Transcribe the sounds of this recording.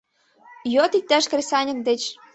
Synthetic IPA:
jot̪ik̚t̪æʃkrʲesʲɑnʲɤ̆nd̪et͡ɕ

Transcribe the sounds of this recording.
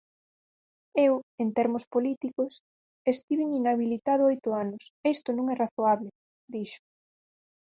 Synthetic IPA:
ewent̪ɛɾmʊspolit̪ikʊs | est̪iβiŋinaβilit̪aðʊojt̪ʊanʊsest̪onũŋɛraθoaβle | d̪iʃʊ̥

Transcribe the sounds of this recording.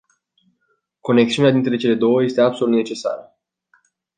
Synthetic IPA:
ko̞neksiunead̪int̪ɾe̞t͡ʃe̞le̞d̪o̞wəje̞st̪e̞abso̞lut̪ne̞t͡ʃe̞sa̰ɾə

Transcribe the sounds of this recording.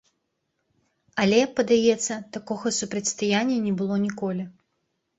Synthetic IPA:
alʲɛjpɐd̪ajɛt̪sːɐt̪akɔɣɐsupɾɐt̪ʲst̪ajanʲːɐnʲɛbɨlˠɔnʲikɔlʲi

